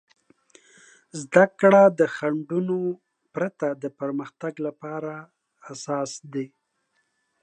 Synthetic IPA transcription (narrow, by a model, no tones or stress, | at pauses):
zd̪akɽad̪əxaɳɖuno | pɾat̪ad̪əpəɾməxt̪aɡlapɑɾaː | sɑsd̪e